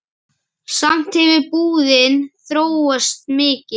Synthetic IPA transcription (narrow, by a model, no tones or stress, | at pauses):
sam̥t̪hɪvɪpuːðɪnθɾoːwœst̪̚mɪːcɪ